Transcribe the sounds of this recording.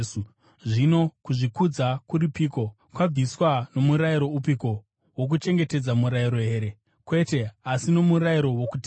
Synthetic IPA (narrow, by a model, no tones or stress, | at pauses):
su | ʐino̞kuʐikud͡zakuripiːko̞ | kwab͡viswano̞muɾaiɾo̞upiko̞ | wok̬ut͡ʃe̞ŋɡe̞te̞d͡zamuɾaiɾo̞ɦe̞ːɾe̞ | kwe̞te̞asino̞muɾaiɾo̞wokuti